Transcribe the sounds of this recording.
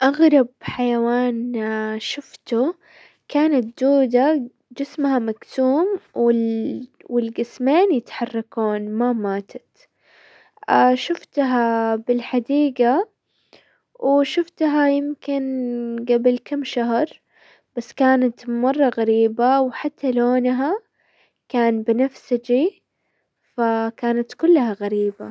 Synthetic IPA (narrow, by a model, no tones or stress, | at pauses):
ʔaɣɾˤɑb̚ħajawaːnʃʊft̪ʊ | kaːnat̪̚d̪uːd̪a | d͡ʒɪsmhamaɡsuːmwɪ | wɪlɡɪsmeːnjɪt̪ħɑrˤːɑkuːnmamaːt̪ʰḁt̪ | ʔaʃʊft̪ɦabɪlħad̪iːɡa | wʔʃʊft̪ɦajɪmkɪnɡabɪlkamːʃaɦɾˤ | b̥asːkaːnat̪mɑrˤːɑɣaɾiːbawħat̪ʰːaloːnɦa | kaːnbɪnafsɪd͡ʒi | fakaːnat̪kʊlːhaɣaɾiːba